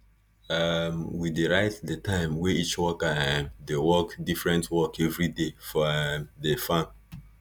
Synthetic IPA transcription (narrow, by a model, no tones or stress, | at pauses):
amwideɹaɪtdətʰãɪ̃mweit͡ʃwɔkadewɔkdifɹɛ̃ntwɔkʰɛvɹidefɔɛmdefãn